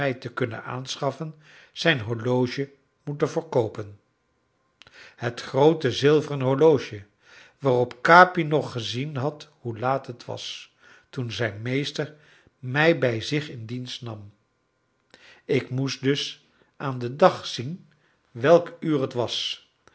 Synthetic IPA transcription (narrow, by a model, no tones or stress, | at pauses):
ɛjtəkɵnə̰na̰ːnsχɑfən | z̥ɛjnɦolowʒə | mutəvəːɹkowpən | hətχrowtəzɪlˠvərənɦoɹlowʒə | ʋaːrɔpkaːpinɔχːəzinɦɑthulaːtətʋɑ̰s | tunzɛjnmejstəɹ | mɛjbɛjzɪχɪndinstnɑm | ɪkmusdɵs | ʔaːndədɑχsin | ʋɛlˠkyːrətʋɑs